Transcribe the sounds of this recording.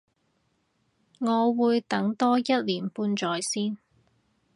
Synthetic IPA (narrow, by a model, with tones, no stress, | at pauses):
ŋɔː˨˧wuː˨˧jt̪ɐ˨˥ŋt̪ɔː˥jɐ˥t̚liː˨˩npuː˧nt͡ʃɔː˨jsiː˥n